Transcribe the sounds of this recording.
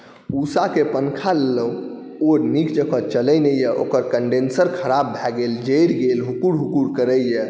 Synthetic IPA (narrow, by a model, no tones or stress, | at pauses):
usakepənkʰalelə | oɾnikd͡ʒəkʰət͡ʃələjnɛjɛʔo̰kəɾkəɳɖensəɾkʰəɾabːʱɛɡeld͡ʒəjɾɡelɦukuɾɦukuɾkəɾəjɛ